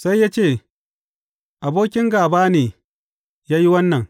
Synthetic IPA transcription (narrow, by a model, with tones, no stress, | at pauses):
sa˦jːa˦t͡ʃeː˦˨ | ʔa˨boː˦kʲɪ˦ŋɡaː˨baː˦neː˨ | jaː˦ji˦wɐ˦nːɐ˨ŋ